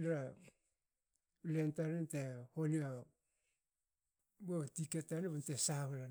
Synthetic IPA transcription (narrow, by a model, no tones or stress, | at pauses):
nɾa | ulentaɾentehonia | botiketaneβantesahuɾa